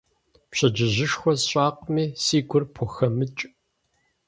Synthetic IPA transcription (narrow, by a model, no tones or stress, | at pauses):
pɕɐd͡ʒɪʑɪʂxʷɔzɕʼaːqmiːsiːɡʷʊrpʰɔxɐmɨt͡ʃʼ